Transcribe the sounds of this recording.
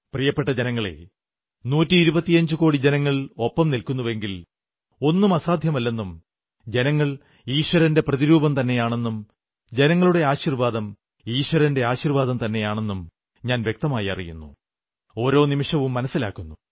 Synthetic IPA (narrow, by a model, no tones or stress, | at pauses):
prijɐpːeʈːɐd͡ʑenɐŋːɐɭe̞̰ | nuːtːiːɾubɐt̪ːijɐɲd͡ʑuko̞ːɽid͡ʑe̞nɐŋːɐɭo̞pːɐmnilkunːuʋe̞ŋɡil | o̞nːumɐsaːd̪ʱjɐmɐlːe̞nːum | d͡ʑe̞nɐŋːɐɭ | iːɕʋɐɾɐnde̞prɐðiɾuːbɐmt̪ɐnːe̞jaːɳenːum | d͡ʑe̞nɐŋːɐɭuɽe̞aːɕirʋaːd̪ɐm | iːɕʋɐɾɐnde̞aːɕirʋaːd̪ɐmt̪ɐnːe̞jaːɳe̞nːum | ɲaːnʋje̞k̚t̪ɐmaːjɐ̰rḭjṵnːu | o̞ːɾo̞ːnimiʂɐʋumːɐnɐsːila̰ːkːunːu